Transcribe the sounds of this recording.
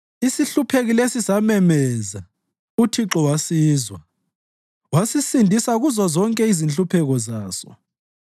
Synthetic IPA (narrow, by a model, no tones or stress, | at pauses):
isiɬupʰeɣilesisamɛmɛza | utʰiǁɔwasiːzwa | wasisindʱisaɣuzɔzɔŋkʼɛizint͡ɬʼupʰɛɣɔzaːsɔ̰